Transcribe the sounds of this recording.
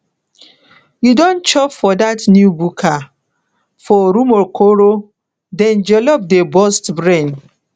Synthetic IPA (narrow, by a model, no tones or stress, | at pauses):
judõnt͡ʃɔpfɔdatnjubukʰa | fɔɾumɔkʰoɾo | dɛ̃nd͡ʒɛlɔp̚debɔstbɹẽn